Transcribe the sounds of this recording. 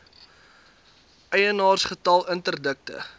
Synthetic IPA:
ʔɛjənɑːrsχətɐlˠəntərdək̚tə̰

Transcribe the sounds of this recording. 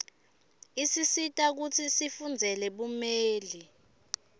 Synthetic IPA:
isisitʼak̬ut͡sʰisifund͡zʱɛlɛɓumeːli

